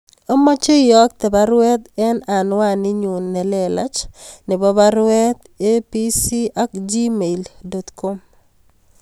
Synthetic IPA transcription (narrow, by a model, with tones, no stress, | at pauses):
o˦ma˦t͡ʃe˦jɔ˦k̚t̪ɛ˨ba˦ɾʊwɛ˦t̪ɛ˦na˨nwa˦nɪ˦ɲu˨nːɛ˨lɛ˨la˦t͡ʃnɪ˨bɔ˦ba˦ɾʊwɛ˦t̪ | e˦pi˦si˦a˦kd͡ʒi˦me˨ldɔ˨t̪ko˦m